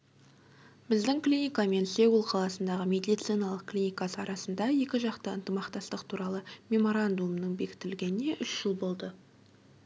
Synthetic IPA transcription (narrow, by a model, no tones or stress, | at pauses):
bɪzd̪ɪŋklʲinʲijkame̞nseɡulˠqʰɑlˠɑsənd̪ɑʁəme̞d̪ijt̪sijnɑlˠəq̚klʲijnʲijkasəɑɾɑsənd̪ɑje̞kʲɪʒɑqt̪əənt̪əmɑqt̪ɑst̪əqt̪ʰuɾɑlˠəmʲe̞mo̞ɾand̪umnəɴbe̞kʲɪ̥t̪ɪlɡʲe̞nɪne̞ʔʏʃʒ̥əlˠbo̞lˠd̪ə